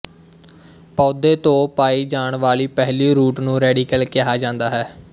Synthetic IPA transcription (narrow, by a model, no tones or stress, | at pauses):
pɔːd̪eːt̪õːpaːiːd͡ʒaːɳʋaːliːpɛɦliːɾuːʈnũːɾɛːɖiːkəlkɪɦaːd͡ʒãːnd̪aːɦɛː